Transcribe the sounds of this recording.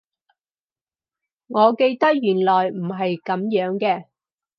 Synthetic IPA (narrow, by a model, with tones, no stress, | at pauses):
ŋɔː˨˧ke˧jt̪ɐ˥k̚jyː˨˩nlɔː˨jm̩˨˩ɦɐ˨jkɐ˨˧˥mjœː˨˧˥ŋkɛː˧